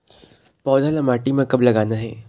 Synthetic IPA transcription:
pɔːd̪ʱalɐmaːʈimẽkɐblɐɡaːnaɦɛː

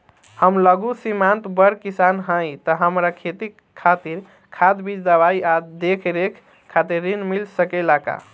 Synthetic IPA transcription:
həmləɡusimant̪bəɾkisanɦə̃jt̪əɦəmɾakʰet̪i | kʰːat̪iɾ | kʰad̪bid͡ʒd̪əbajad̪ekʰɾekʰ | kʰːat̪iɾːinmilsəkɛlaka̰

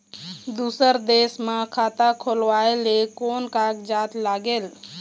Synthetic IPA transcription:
d̪uːsəɾd̪eːsmãkʰaːt̪akʰoːlʋaːelekoːnkaːkd͡ʒaːt̪laːɡeːl

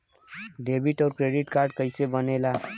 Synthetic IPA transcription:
ɖebiʈɔʊɾkɾeɖiʈkaɾɖ̚kəɪsebənela

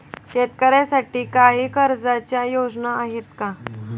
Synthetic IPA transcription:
ɕet̪kəɾjasaʈiːkaɦiːkəɾd͡zat͡ɕjajod͡znaːɦet̪ka

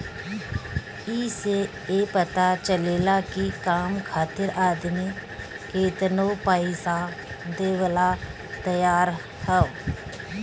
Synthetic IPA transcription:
iːse | epət̪at͡ʃəleːlakikaːmkʰaːt̪ɪɾaːd̪mi | keːt̪ənopaːɪsa | d̪eːʋəla | t̪əjaːɾ | hɛo

